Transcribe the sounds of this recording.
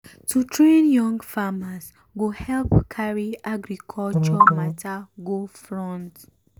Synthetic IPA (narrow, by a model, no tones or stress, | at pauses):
tʰutɹẽnjɔ̃ŋɡfamas | ɡohɛlpkʰaɹiaɡɾikʰɔlt͡ʃɔmatʰaɡofɹɔ̃nt